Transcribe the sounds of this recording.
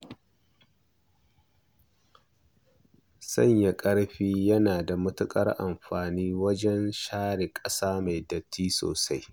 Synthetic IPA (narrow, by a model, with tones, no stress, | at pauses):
sɐ̰˦˨ɲja˨kʼɐ˦ɽɸiː˦jɐ˦naː˨da˨mʊ˦tʊ˦kʼɐ̰˦rʔa˨mɸaː˨niː˦wɐ˦d͡ʒɛ˦nʃaː˦ɽe˨kʼɐ˦saː˦ma˨jdɐ˨tʰːiː˦so̰ː˨sa˦j